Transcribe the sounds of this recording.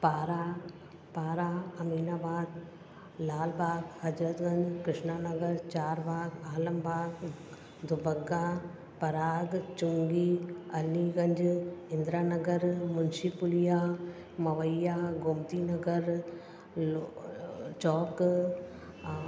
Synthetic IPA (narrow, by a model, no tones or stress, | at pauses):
paːɾa | paːɾaːɐmiːnaːbaːd̪ | laːlbaːɡhɐd͡ʒɾət̪ɡɐ̃ɲd͡ʑkɾɪʃnaːnɐɡəɾt͡ʃaːɾbaːɡaːləmbʱaːɡ | d̪ʱʊbɐɡa | pɐɾaːɡt͡ʃʊŋɡiːɐliɡɐ̃ɲd͡ʒɪ̃nd̪ɾaːnɐɡəɾmʊnsipʊlijaː | mɐʋəjaːɡomt̪iːnɐɡəɾ | t͡ʃɔːk